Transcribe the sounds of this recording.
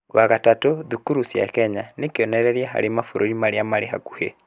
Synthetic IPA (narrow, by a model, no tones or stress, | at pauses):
waɣatatoðukuɾusja̰kɛɲanekeɔnɛɾɛɾiaɦa̰ɾemafoɾoɾimaɾeamaɾeɦaku̥he